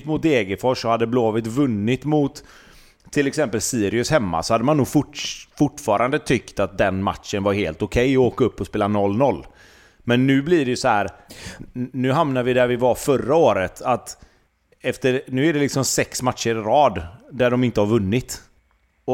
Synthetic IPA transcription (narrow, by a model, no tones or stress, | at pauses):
t̪mʊt̪̚d̪eːɡəfɔʂɔhad̪ːəbloːvɪt̪vɵnːɪt̪mʊt̪ʰː | ɪlɛksɛmpəlsiːɾɪɵshɛmːa̰sɔhad̪ːəmanːuːɡfʊfʊʈːfɑːɾʔand̪ət̪ʰʏkt̪at̪̚d̪ɛnma̰t̪ʂənvaɾheːlt̪ʊkʰɛjɔoːkaɵpːɔspeːlanɔlːnɔlː | mɛnːʉ̟ːbliɖɛjɵsɔhæːɾ | nʉ̟ːɦamnavɪd̪æɾvɪvafœɾaoːɾət̪ʰat̪ | ɛft̪əɾnʉ̟ːæɖɛlɪksɔmsɛksmat̪ʂəɾɪɾɑːd̪d̪æɖɔmɪnt̪əhaɾvɵnːɪt̪ | ɔ